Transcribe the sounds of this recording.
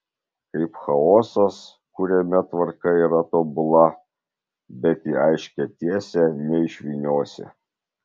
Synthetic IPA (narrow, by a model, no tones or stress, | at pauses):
kɐɪpxɐoːsɐs | kʊɾʲɛmʲɛt̪ʋɐɾkɐiːɾɐt̪oːbʊlˠɐ | bʲɛt̪iːɐɪʃʲkʲɛt̪ʲiɛsʲɛnʲɛɪʃʲʋʲiːnʲoːsʲɛ̰